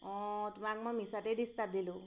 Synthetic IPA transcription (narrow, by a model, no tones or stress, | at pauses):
ɔ̃t̪umakmɔmisaʈejd̪ist̪ap̚d̪ilu